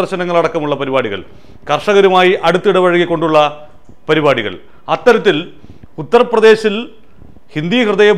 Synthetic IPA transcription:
ɐrɕɐnɐŋːɐɭɐɽɐkːɐmuɭːɐpɐɾibaːɽiɣɐ̰ɭ | kɐrʂɐɣɐɾumaːjiʔɐɽut̪ːiɽɐʋɐɻɐɡːikːo̞ɳɖuɭːɐ | pɐɾibaːɽiɣɐ̰ɭ | ɐt̪ːɐɾɐt̪ːil | ut̪ːɐrprɐdðe̞ːɕil | hind̪iːhrɨðɐjɐ

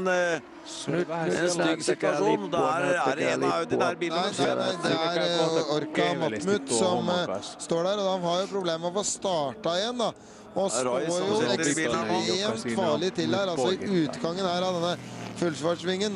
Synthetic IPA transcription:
ssɪt̪ɑʂund̪ | næɪd̪ɛæɪd̪ɛæɾɔɾkɑmɑmʉt̪sɔmst̪oːɖæːɾɔhɑnhɑɾjʊpʰɾʊbleːməɔʋfɔst̪ɑːʈɑɪjɛnd̪ɑ | ɔsoːɾjʊɛ | ɛmt̪fɑːɭɪt̪ʰɪld̪æːɾɑlsɔɪʔʉːt̪ɡɑŋːənhæːɾɑd̪ɛnːəfʉlsʋɑʂʋɪŋːən

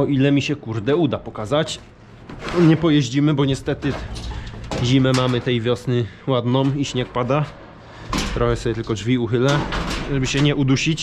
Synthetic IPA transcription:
ɔʔilɛmʲiɕɛkuɾd̪ɛud̪apɔkazat͡ɕ | ɲɛpɔjɛʑd͡ʑimɘbɔɲɛst̪ɛt̪ɘ | ʑimɛmamɘt̪ɛjvʲjɔsnɘwad̪nɔmiɕɲɛk̚pad̪a | t̪ɾɔxɛsɔbʲjɛt̪ɘlkɔd͡ʐvʲiuxɘlɛʐɛbɘɕɛɲɛʔud̪uɕit͡ɕ

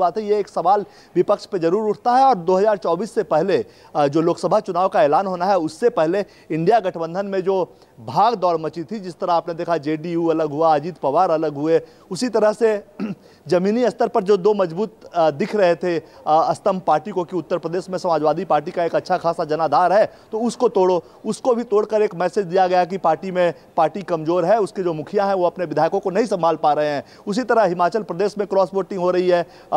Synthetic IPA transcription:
aːt̪ɦɛjeeːksɐʋaːl | ʋɪpəkʃped͡ʒɐɾuːɾʊʈʰt̪aɦɛɔːɾd̪oːɦɐzaːɾt͡ʃɔːbiːsːepɛɦle | d͡ʒoːloːksəbʱat͡ʃʊnaːʋkaeːlaːnɦoːnaɦɛʊsːepɛɦle | ɪ̃ɳɖijaɡɐʈʰbə̃nd̪ʱənmẽd͡ʒoː | bʱaːɡd̪ɔːɾmɐt͡ʃit̪ʰid͡ʒɪst̪əɾaɦaːpned̪eːkʰad͡ʒeːɖijuɐləɡɦuad͡ʒiːt̪pɐʋaːɾɐləɡɦʊe | ʊsit̪ɐɾəɦse | zɐmiːniɐst̪əɾpɐɾd͡ʒoːd̪oːmɐd͡ʒbuːt̪d̪ɪkʰɾɐɦet̪ʰeɐst̪əmpaːɾʈikokiʊt̪ːəɾpɾəd̪eːʃmẽsɐmaːd͡ʒʋaːd̪ʱipaːɾʈikaeːkɐtːʃʰaxʰaːsad͡ʒɐnaːd̪ʱaːɾɦɛt̪oʊskot̪oːɽo | ʊskobʱit̪oːɽkəɾeːkmɛːsed͡ʒd̪ijaɡɐjak̬ipaːɾʈimẽ | paːɾʈikɐmzoːɾɦɛʊsked͡ʒoːmʊkʰijãɦɛ̃ʋoɐpneʋɪd̪ʱaːjkõkonɐɦĩsɐ̃mbʱaːlpaːɾɐɦeɦɛ̃ː | ʊsit̪ɐɾəɦɦɪmaːt͡ʃəlpɾɐd̪eːʃmẽkɾɔːsʋoːʈɪ̃ŋɡɦoɾɐɦiɦɛː

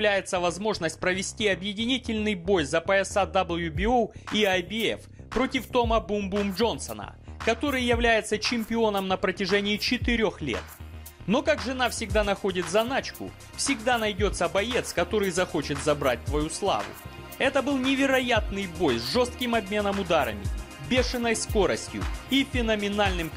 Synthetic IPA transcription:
lʲæjɪt̪səvɐzmo̞ʐnəsʲt̚ʲpɾəvʲɪsʲtʲiɐbjɪdʲɪnʲitʲɪlʲnɨjbo̞jzɐpəɛsad̪ɐbəlˠjubʲɪoiajbʲɪɛ̰fpɾo̞tʲɪft̪o̞məbumbumdʐo̞nsənə̰kɐt̪o̞ɾɨjjɪvlʲæjɪt̪sət͡ɕɪmʲpʲɪo̞nəmnəpɾətʲɪʐɛnʲɪːt͡ɕɪt̪ɨɾʲo̞xlʲḛt̪ | no̞kakʐɨnafsʲɪɡ̚d̪anɐxo̞dʲɪt̪zɐnat͡ɕkʊ̰ | fsʲɪɡd̪anɐjdʲo̞t̪səbɐje̞t̪skɐt̪o̞ɾɨjzɐxo̞t͡ɕɪt̪zɐbɾa̰t̚ʲt̪vɐjuslˠa̰vʊ̰ | ɛt̪əbɨlˠnʲɪvʲɪɾɐjat̪̚nɨjbo̞jzʐo̞st̪̚kʲɪmɐbʲmʲe̞nəmʊd̪aɾə̰mʲɪ̰bʲe̞ʂɨnəjsko̞ɾəsʲtʲjʊ̰ifʲɪnəmʲɪnalʲnɨm

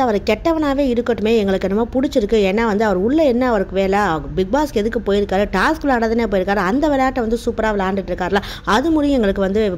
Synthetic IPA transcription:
ɐʋɐɾɛkːɛʈːɐʋɐnaːʋeːɪɾɯkːɐʈːɯmeːɛŋɡɐɭɯkːɛnːɐmaːpʊɽɪt͡ʃːɪɾɯkːɯɛːnːaːʋɐnd̪ɯɐʋɐɾʊɭːɐɛnːɐːʋɐɾɯkːɯʋeːlɐbɪɡ̚baːskɛðɯkːɯpoːjɪɾɯkːaːɾɯʈaːskɯlaːɽɐðɐneːpoːjɪɾɯkːaːɾɯɐnd̪ɐʋɪɭɐjaːʈːɐʋɐnd̪ɯsuːpːɐɾaːʋɐlaːɳɖɪʈːɪɾɯkːaːɾɯlãː | ɐðɯmʊɾɪjʊ̃ɛŋɡɐɭɯkːɯʋɐnd̪ɯ

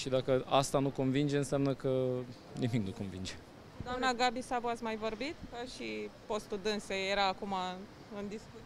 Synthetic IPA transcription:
ʃid̪akəast̪anuko̞nvind͡ʒeɨnseamnəkə | nimiknuko̞nvḭnd͡ʒe | d̪oamnaɡabisabuat̪sʲmajvo̞rbit̪kəʃipo̞st̪ud̪ɨnsejeɾaːkuma | ɨnd̪isku

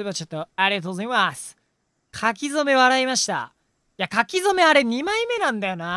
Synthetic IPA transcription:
βat͡ɕot̪ːoaɾʲiat̪o̞zɾimasɨ̥ | kʰakʲizo̞me̞βaɾaimaɕi̥t̪a̰ | jiakakʲizo̞me̞aɾe̞ɲ̟imaime̞nãnd̪ajo̞na

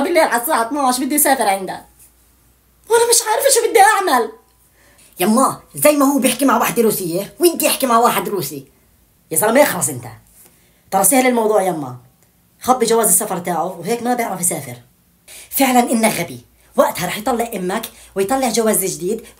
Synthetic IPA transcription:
bɪlːeːlħad̪sˤaːʕat̪maaʃbɪd̪ːisaːfɪɾʕɪnd̪a | walamɪʃʕaːɾɪfʃubɪd̪ːiʔaʕmal | jamːɑzajːmahuːbjɪħkimaʕwaːħɪd̪ɾuːsɪjːewʔɪnt̪iʔɪħkimaʕwaːħɪd̪ɾuːsi | jazɑɾmajɪxlɑsˤʔɪnt̪a̰ | t̪ˤɑɾˤɑsˤiːhlɪlmɑwd̪ˤuːʕjamːɑ̰ | xabːiʒawaːzɪsːafɑɾˤt̪aːʕʊwheːkmabjɪʕɾˤɑfsaːfɪɾ | fɪʕlanʔɪnːaɣabi | waʔt̪hɑɾˤɑːħjt̪ˤɑlːɪʔʔɪmːak | wɪjt̪ˤɑlːɪʕʒawaːzʒd̪iːd̪

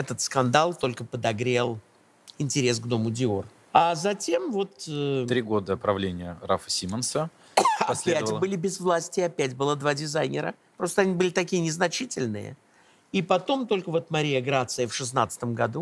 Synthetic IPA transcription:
ɛt̪ət̪skɐnd̪alˠt̪o̞lʲkəpəd̪ɐɡɾʲe̞lˠ | ɪnʲtʲɪɾʲe̞sɡd̪o̞mʊdʲɪor | azɐtʲe̞mvo̞t̪ət̪ɾʲiɡo̞d̪əpɾɐvlʲenʲɪjəɾa̰fə̥sʲimənsə | ɐɐssʲlʲeætəlˠbɨlʲɪbʲɪzvlˠasʲtʲɪɐpʲætʲbɨlˠəd̪vadʲɪzajnʲɪ̰ɾə̰ | pɾo̞st̪əɐnʲibɨlʲɪt̪ɐkʲijənʲɪznɐt͡ɕitʲɪlʲnɨ̰jə̰ | ipɐt̪o̞mt̪o̞lʲkəvo̞t̪mɐɾʲijəɡɾat̪sɨjəfʂɨs̬nat̪sə̥t̪əmɡɐd̪u

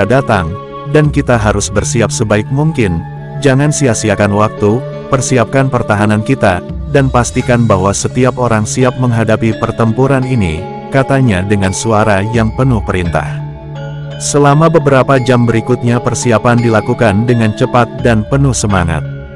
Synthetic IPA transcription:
adat̪aŋ | dankit̪aɦaɾʊsbərsiap̚səbaɪk̚muŋkɪn | d͡ʒaŋansiasiakanwak̚t̪u | pərsiap̚kanpərt̪aɦanankit̪adanpast̪ikanbaɦwasət̪iapoɾaŋsiap̚məŋɦadapipərt̪əmpuɾaninḭ | kat̪aɲadəŋansuaɾajaŋpənʊhpəɾint̪a̰h | səlamabəbəɾapad͡ʒambəɾikut̪̚ɲapərsiapandilakukandəŋant͡ʃəpat̪̚danpənʊhsəmaŋa̰t̪̚

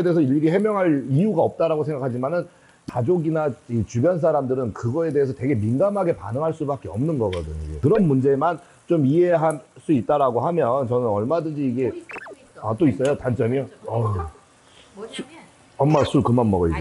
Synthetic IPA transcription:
ede̞ːesʰʌiʎiɡiɦe̞mjʌŋɦaɭiuɡaʌp̚t͈aɾaɡosʰeŋɡakʰad͡ʑimanɯn | kad͡ʑoɡinait͡ɕubjʌns̬ʰaɾamdɯɾɯnkɯɡʌe̞deesʰʌte̞ɡe̞minɡamɦaɡe̞pa̰nɯŋɦaɭs͈ubak͈eʌmnɯnɡʌɡʌdɯɲoiɡekɯɾʌnmund͡ʑe̞man | t͡ɕomie̞ɦas͈uit̚t͈aɾaɡohamjʌnt͡ɕʌnɯnʌɭmadɯnd͡ʑiːɡe̞ | at͈ois͈ʌjotant͡ɕ͈ʌmiʌ | sʰ | ʌmmasʰuɭkɯmanmʌɡʌḭd͡ʑo

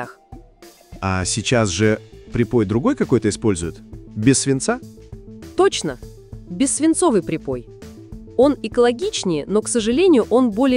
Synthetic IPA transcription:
ax | asʲɪt͡ɕasʐɨpɾʲɪpo̞jd̪ɾʊɡo̞jkɐko̞jt̪əɪspo̞lʲzʊjɪt̪bʲɪsːvʲɪnt̪sa | t̪o̞t͡ɕnə | bʲɪsːvʲɪnt̪so̞vɨjpɾʲɪpo̞j | o̞nɪkəlˠɐɡʲit͡ɕnʲɪjno̞ksəʐɨlʲenʲɪjʊʔo̞nbo̞lʲɪ

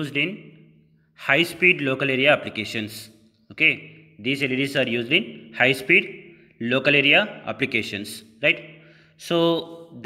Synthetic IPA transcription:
uːzɖĩn | haɪspiːɖloːkəleɾijaːplikeːʃə̃ns | oke | d̪iːzeliɾisaːɾjuːzɖĩnhajspiːɖ | loːkəleɾijaa̰plikeʃə̃ns | ɾaɪʈ | soːd̪

